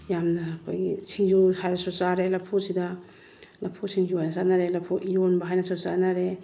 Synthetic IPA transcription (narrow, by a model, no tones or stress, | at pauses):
jamnɐkʰo̰jɡḭsʰiŋd͡ʒuhajɾasɔsaɾelapʰosidɐ | lapʰosiŋjoajnasanaɾelapʰuʔijonbaɦajnɐsawsa̰naɾe